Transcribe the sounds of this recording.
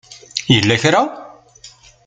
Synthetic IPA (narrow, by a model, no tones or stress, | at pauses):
jəlːæçɾaw